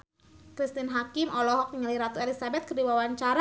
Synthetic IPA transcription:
kɾist̪inɦakɪmʔɔlɔɦɔk̚ɲəliɾat̪uelisabɛt̪̚kərdiwawaɲt͡ʃaɾa

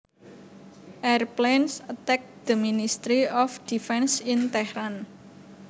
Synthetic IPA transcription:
ʔɛrplensət̪ɛk̚d̪̥əminist̪ɾiɔfd̪̥ifɛnsint̪ɛhɾan

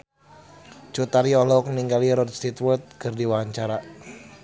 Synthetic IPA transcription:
t͡ʃut̪aɾiɔlɔkniŋɡaliɾɔdst̪it̪wɔt̪̚kɨrdiwaɲt͡ʃaɾa

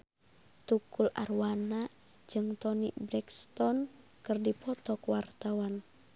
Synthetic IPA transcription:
t̪ukula̰rwana | d͡ʒɨŋt̪ɔniʔbɾɛkst̪ɔn | kɨrdipɔt̪ɔkwart̪awan

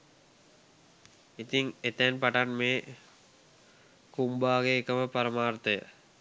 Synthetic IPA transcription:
it̪iŋet̪ɛnpaʈanmeː | kumbaːɡeːkəʋəpaɾəmaːrt̪əjə̰

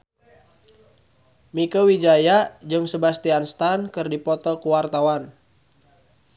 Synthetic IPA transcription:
mikəwid͡ʒajad͡ʒɨŋsəbast̪ianst̪ankɨrdipɔt̪ɔkuwart̪awan

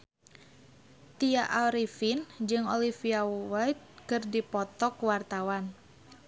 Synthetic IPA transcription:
t̪iaʔaɾifind͡ʒɨŋɔlifiawajt̪̚kɨrdipɔt̪ɔkwart̪awan

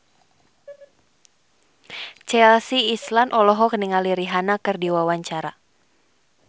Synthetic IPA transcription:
t͡ʃɛlsiːslanʔɔlɔɦɔkəniŋaliɾiɦanakɨrdiwawaɲt͡ʃaɾa

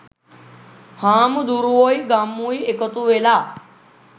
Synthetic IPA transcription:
haːmd̪uɾuoːiɡaːmuːiekət̪uʋelaː

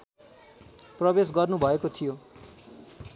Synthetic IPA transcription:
prʌbes̬ɡʌrnubʱʌekot̪ʰijo

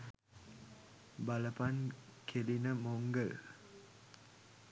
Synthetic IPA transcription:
baləpankʰelinəmoŋɡəl

